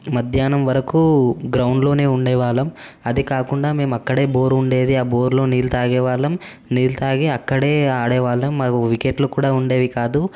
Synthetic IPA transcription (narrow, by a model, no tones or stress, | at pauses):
mɐd̪ʱjaːnɐmʋɐɾɐkuɡɾɐwɳɖlo̞ːne̞ːuɳɖɛːʋaːɭɐm | ɐd̪ikaːkuɳɖaːme̞ːmuɐkːɐɽe̞ːbo̞ːɾuɳɖe̞ːd̪iaːbo̞ːɾlo̞ːniːlt̪aːɡɛːʋaːɭːɐm | niːlt̪aːɡeːɐkːɐɽe̞ːaːɽɛːʋaːɭːɐmːaːkuʋikeːʈlukuːɽaːuɳɖe̞ːʋikaːd̪u